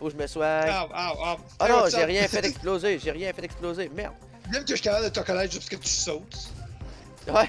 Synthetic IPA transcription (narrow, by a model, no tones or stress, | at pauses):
foʒəməswɛ̃aaa | ɔnɔ̃ʒeʁjɛ̃fɛt̪ɛksplozeʒeʁjɛ̃fɛt̪ɛksplozemɛʁd̪ | mɛ̃mkəʃy̥kapab̚d̪ət̪əkɔnɛt̪ʒɨpskət̪y̥sɔt̪ | wɛ